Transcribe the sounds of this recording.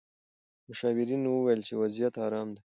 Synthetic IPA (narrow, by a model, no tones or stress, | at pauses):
mʊʃɑːwɪɾinːuwəwajəlt͡ʃewazijat̪ɑɾɑːmd̪e